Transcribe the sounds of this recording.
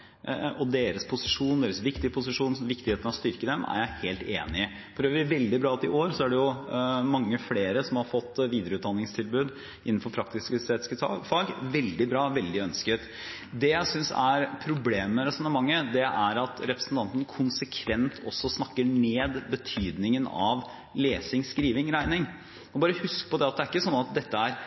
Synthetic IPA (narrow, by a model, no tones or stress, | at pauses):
ɔd̪eːɾəspʰʊsɪʂuːnd̪eːɾəsʋɪkt̪ɪəpʰʊsɪʂuːnsʋɪkt̪ɪheːt̪nɑʋɔst̪ʏɾkəd̪ɛmʔæ̰ɾjæɪheːlt̪ḛːnɪə | fɔɾøːʋəɾɪʋɛld̪ɪbɾɑːɑt̪ɪʔoːɾsɔæɖɛjʊmɑŋːəfleːɾəsɔmhɑɾfɔt̪ːʋiːd̪əɾəʉːt̪̚d̪ɑnːɪŋst̪ʰɪlbʉːd̪ | ʔɪnːn̩fɔɾpʰɾɑkt̪ɪskəst̪eːt̪ɪ̥skə̰fɑɡʋɛld̪ɪbɾɑːʋɛld̪ɪœnskət̪ | d̪ɛjæɪsʏnsæ̰ɾpʰɾʊbleːməɾɛsɔnəɾmɑŋːəd̪ɛʔæɾɑt̪ɾɛpɾəsn̩t̪ɑnt̪ən̩kʰʊnsəkʰʋɛnt̪ʰɔ̰sːɔsnɑkːəɳeːd̪bət̪ʰyːd̪nɪŋənɑ̰ʋ | leːsɪŋskɾiːʋɪŋɾæɪnɪŋ | ɔbɑːɾəhʉskəpɔd̪ɛɑt̪d̪ɛæɾɪkːəsɔnːɑt̪̚d̪ɛt̪ːəæɾ